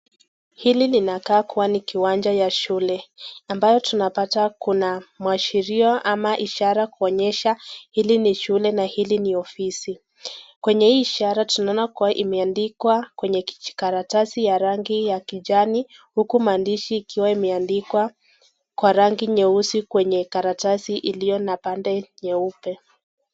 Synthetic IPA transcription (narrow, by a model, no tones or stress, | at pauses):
hililinakaːkuwanikiwand͡ʒajaʃulɛambajɔtunapatakunamwaʃiɾiɔʔamaʔiʃaɾakuɔɲɛʃahiliniʃulɛnahiliniɔfisi | kwɛɲɛhiːʃaɾatunaɔnakuwaʔimɛandikwakwɛɲɛki̥i̥kaɾatasijaɾaŋɡijakiʄani | hukumaːndiʃiːkiwaimɛandikwa | kwaɾaŋɡiɲɛusikwɛɲɛkaɾatasiʔilijɔnapandɛɲɛupɛ